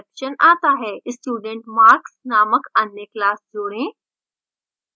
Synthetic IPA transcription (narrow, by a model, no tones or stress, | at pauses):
kʃənaːt̪aɦeʔsʈjuːɖeɳʈmaːɾksnaːməkənːeklaːsd͡zoːɽẽː